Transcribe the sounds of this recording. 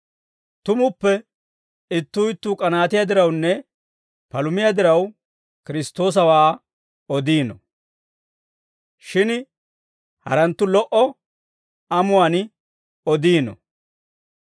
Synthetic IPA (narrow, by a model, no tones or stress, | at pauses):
t̪ʊmʊpːɛ | ɪt̪ːuːɪt̪ːuːkʼɐnaːt̪ɪjad̪ɪɾɐwnːɛ | pɐlʊmɪjad̪ɪɾɐw | kɪɾɪst̪o̞ːs̬ɐwaː | ɔd̪iːnɔ̰ | ʃɪn | hɐ̰ɾɐnt̪ːʊlɔʔɔ | ɐmʊwan | ɔd̪iːnɔ̰